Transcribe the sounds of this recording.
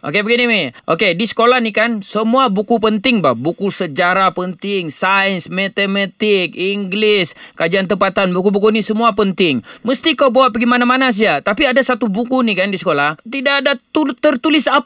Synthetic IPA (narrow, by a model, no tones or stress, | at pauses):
ʔo̰kebəɡinimiʔo̰kedisə̥kolahnikansəmuabukupənt̪ɪŋbabukusəd͡ʒaɾapənt̪ɪŋsaənsmet̪emat̪ɪk̚iŋɡlɪskad͡ʒiant̪əmpat̪anbukubukunisəmuapənt̪ɪŋməst̪ikawbawaʔpəɡimanamanas̬iat̪apiadasat̪ubukunikandisə̥kolaht̪idaʔadat̪ut̪ərt̪ulɪsa